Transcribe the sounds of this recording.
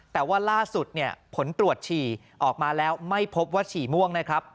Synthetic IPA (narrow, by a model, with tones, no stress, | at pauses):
t̪ɛː˨˩waː˥˩laː˥˩su˨˩t̪̚ni˥˩ɐpʰo˩˦nt̪ɾu˨˩ət̪̚t͡ɕʰiː˨˩ | ʔɔː˨˩k̚maː˧lɛː˦˥wma˥˩jpʰo˦˥p̚waː˥˩t͡ɕʰiː˨˩mu˥˩əŋna˦˥kʰɾa˦˥p̚